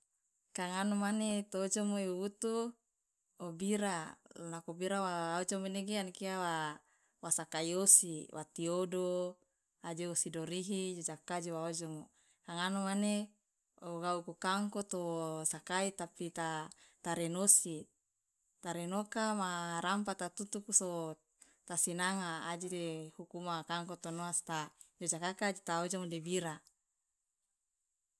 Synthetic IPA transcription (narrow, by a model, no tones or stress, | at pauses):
kaŋanomanet̪oːd͡ʒomoiuwut̪u | obiɾalakobiɾawaod͡ʒomeneɡeankiawa | wasakaiosiwʔa̰t̪iodo | ad͡ʒeosidoɾiɦid͡ʒod͡ʒakad͡ʒowaod͡ʒomo | kaŋanomane | oɡaukukaŋkot̪osakait̪apit̪at̪aɾenosi | t̪aɾenokamaɾampat̪at̪ut̪ukuso | t̪asinaŋaːd͡ʒidehukumakaŋkot̪onoast̪ad͡ʒod͡ʒakakad͡ʒit̪aod͡ʒoŋodebiɾa